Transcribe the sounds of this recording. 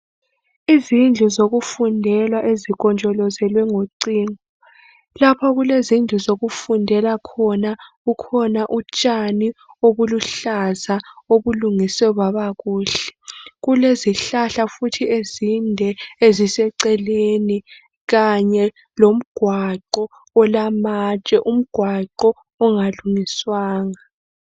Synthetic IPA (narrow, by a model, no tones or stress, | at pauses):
izind͡ɮʱuzoɣufundʱɛlwaʔeziɣɔnd͡ʒʱʼɔlɔzɛlwɛŋoǀiːŋɔ | lapʰɔɣulezind͡ɮʱuzoɣufundʱɛlakʰɔnaɣukʰɔnaʔut͡ʃʼanioβuluɬazaoβuluŋisɛuβaβaɣuːɬɛ̥ɣuleziɬaɬafutʰiezindʱɛezisɛǀɛleni | ɣaɲɛ | lom̩ɡ̥ʱwaǃɔː | lamat͡ʃʼɛʔum̩ɡ̥ʱwaǃɔː | ŋaluŋiswaːŋa